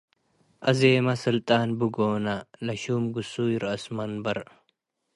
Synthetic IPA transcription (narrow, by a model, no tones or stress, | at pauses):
ʔɐzeːmɐsɨlt̪ʼaːnbuɡoːnɐlɐʃuːmɡusujiɾɐsmɐnbɐɾ